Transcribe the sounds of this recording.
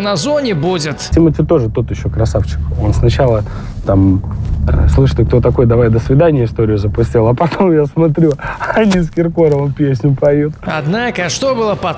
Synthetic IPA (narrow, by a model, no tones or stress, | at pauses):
nɐzonʲɪbudʲɪt̪sʲimətʲɪt̪o̞ʐɨt̪o̞t̪jɪɕːo̞kɾɐsaft͡ɕɪ̥ko̞nsnɐt͡ɕalˠə | t̪am̰ | slˠɨʂɨ̥t̪ʲɪkt̪o̞t̪ɐko̞jd̪ɐvajd̪əsvʲɪd̪anʲɪjəɪst̪o̞ɾʲɪjʊzəpʊsʲtʲilˠɐpɐt̪ʰo̞mjasmɐt̪ɾʲuɐnʲiskʲɪrko̞ɾəvəmpʲesʲnʲʊpɐjut̪ɐd̪nakəʂt̪obɨlˠəpɐ